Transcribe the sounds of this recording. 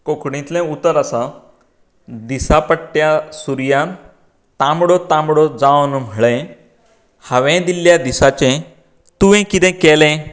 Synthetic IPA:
kokɽĩt̪lɛ̃ut̪əɾəsa | d̪isapəʈʈjasuɾjã | t̪ãmɽɔt̪ãmɽɔd͡zawnm̤əɭẽ | həʋɛ̃d̪ilːjad̪isat͡ɕẽ | t̪uʋɛ̃kit̪ɛ̃kɛlɛ̃

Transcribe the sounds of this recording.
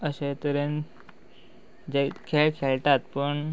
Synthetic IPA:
əɕet̪əɾen | d͡ʑekʰeɭkʰeɭʈ̪at̪pəɳ

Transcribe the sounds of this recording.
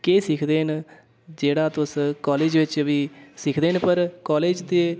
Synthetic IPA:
keːsɪkʰd̪eːn | d͡ʒeːɽaːt̪ʊskɔːleːd͡ʒʋɪt͡ʃəbiːsɪkʰd̪eːnpəɾkɔːleːd͡ʒt̪eː

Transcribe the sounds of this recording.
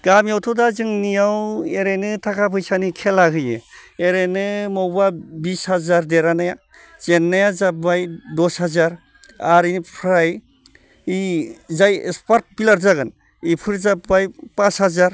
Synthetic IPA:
ɡ̥amjawtʰɔdazɯŋnijaweɾenɯtʰakʰapʰɯjsanikʰelahɯjɯ̰eɾenɯmɔwbabishazaɾdeɾanaja | z̥enːajazabajdɔshazaɾ | aɾinpʰɾaj | izajspaɾt̚bilaɾzaɡɯn | ipʰɯɾzabajpashazaɾ

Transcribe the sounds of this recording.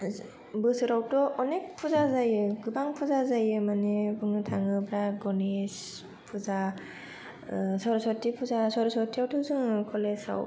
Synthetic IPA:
bɯsɯɾawtɔʔɔnek̚pʰuzazajɯɡɯbaŋpʰuzazajɯmanebɯŋɯtʰaŋɯbɾaɡɔnes | pʰuza | sɔɾsɔtipʰuzasɔɾsɔtʰiawtɔzɯŋkʰɔlesa̰w

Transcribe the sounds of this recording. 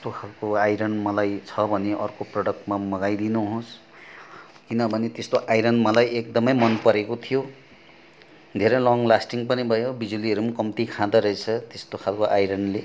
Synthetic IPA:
st̪okʰalkoajɾʌnmʌlajt͡sʰʌbʱʌneʔʌrkoprʌɽʌk̚ʈmamʌɡajd̪inuɦos | kinʌbʱʌnet̪est̪oʔajɾʌnmʌlajekd̪ʌmʌjmʌnpʌɾekot̪ʰijo | d̪ʱeɾʌlʌŋlasʈiŋpʌnibʱʌjobid͡zuliʌɾumakʌmt̪ikʰãd̪ʌɾʌet͡sʰʌt̪est̪okʰalkoʔajɾʌɳɖle

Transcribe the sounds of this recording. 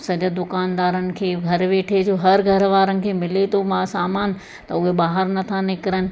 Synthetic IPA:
sɐd͡ʑəd̪ʊkaːnd̪aːɾənɪ̆kʰeːɡʱɐɾʋeːʈʰed͡ʑoːɦɐɾɡʱɐɾʋaːɾənɪ̆kʰeːmɪlet̪ʰomãːsaːmaːn̆ | t̪ɐʊɦeɓaːɦəɾnɐt̪ʰanɪkɪɾənɪ̆

